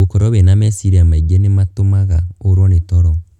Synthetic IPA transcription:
okɔɾɔβɛnamɛsiɾiamaiɡenematomaɣaoɾwɔnetɔɾɔ

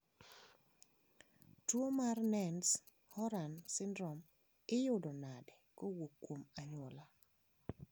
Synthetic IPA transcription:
twomarnɛns | hɔɾansɪndɾɔm | ɪjʊdɔnadɛkowokːwomaɲwɔla

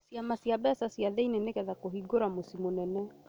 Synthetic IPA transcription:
siamasiabɛsasiaðɛinɛnɛkɛðakohiɡoɾamosimonɛnɛ

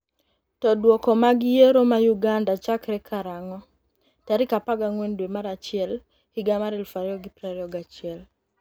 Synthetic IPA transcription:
tɔdwɔkɔmaɡɪjeɾomajuɡandat͡ʃakɾɛkʰaɾaŋɔ | taɾɪkapaɡaŋwendwemaɾat͡ʃɪɛl | hɪɡamaɾɪlfaɾɛɔɡɪpɾaɾɛɔɡat͡ʃɪɛl

